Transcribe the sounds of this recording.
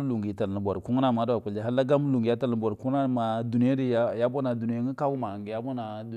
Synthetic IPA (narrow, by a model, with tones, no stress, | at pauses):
lu˨ŋɡi˨˦ta˨ln˨bʷo˨ɾi˨ku˦ŋ˦na˦˨ma˨˦da˨ku˨la˦ɦa˦lːa˦ɡa˦m˦lu˨ŋɡi˨ja˦ta˦˨ln˦bo˨ɾku˦na˦˨ma˨du˨ni˦a˦ɾi˦ja˦bo˦na˨du˨ni˦e˦ŋi˦ka˦bu˦ma˨ŋɡi˨ja˦bo˦na˨ | du˨